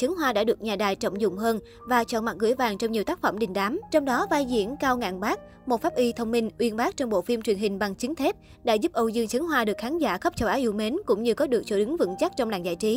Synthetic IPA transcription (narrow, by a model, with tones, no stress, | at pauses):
t͡ɕɨ˨˦ŋɦwaː˧ɗa̰ː˧˥ɗɨ˨˩ək̚ɲaː˨˩ɗaː˨˩jt͡ɕə̰˧˨wŋ͡mzʊ̰˧˨ŋ͡mɦəː˧n | vaː˨˩t͡ɕɔ̰˧˩nma˨˩ɣɨ̰˧˩əjvaː˨˩ŋt͡ɕɔ˧wŋ͡mɲi˨˩əwt̪aː˦˥k̚fə˧˩mɗï˨˩ŋ̟ɗaː˨˦mt͡ɕɔ˧wŋ͡mɗɔ˨˦vaː˧jzḭ˧˩ənkaː˧wŋa̰ː˧˨nɓaː˦˥k̚ | mo˨˩t̚faː˦˥p̚ʔi˧t̪ʰə˧wŋ͡mmï˧ŋ̟ʔwi˧ənɓaː˦˥k̚t͡ɕɔ˧wŋ͡mɓo̰˧˨fi˧mt͡ɕwi˨˩ənɦï˨˩ŋ̟ɓa˨˩ŋt͡ɕï˨˦ŋ̟t̪ʰe˦˥p̚ | ɗa̰ː˧˥zu˦˥p̚ʔə˧wzɨ˧əŋt͡ɕɨ˨˦ŋɦwaː˧ɗɨ˨˩ək̚xaː˨˦nza̰ː˧˩xə˦˥p̚t͡ɕə˧˩wʔaː˨˦wʔi˧əwme˨˦nkʊ̰˧˥ŋ͡mɲɨ˧kɔ˨˦ɗɨ˨˩ək̚t͡ɕo˧˩ɗɨ˨˦ŋvɨ̰˧˥ŋt͡ɕa˦˥k̚t͡ɕɔ˧wŋ͡mla̰ː˧˩ŋzaː˧˨jt͡ɕi˨˦